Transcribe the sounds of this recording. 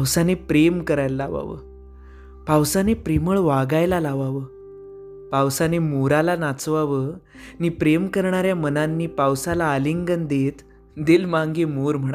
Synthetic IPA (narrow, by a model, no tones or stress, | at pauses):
wsanepɾemkəɾajːaʋa̰ʋə̰ | pawsanepɾeməɭʋaɡajlalaʋaʋəː | pawsanemuɾalanat͡sʋaʋə | niːpɾemkəɾɳ̃aɾjamənanːiːpawsalaəliŋɡənd̪et̪ | d̪ilmãŋɡiːmuɾm̤əɽ